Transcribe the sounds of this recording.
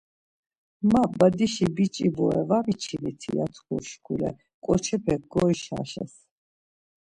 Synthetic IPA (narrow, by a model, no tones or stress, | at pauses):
mabad̪iʃibit͡ʃʼibɔɛvamit͡ʃʰimit̪ʰḭa̰t̪ʰkuɾʃkʰulɛ | kʼɔt͡ʃʰɛpʰɛk̚ɡɔiʃa̰ʃɛ̰s